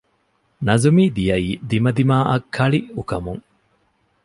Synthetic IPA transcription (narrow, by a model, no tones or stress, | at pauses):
nɐzumiːd̪ijɐiːd̪imɐd̪imaːʔɐkʰːɐɭiukɐmuŋ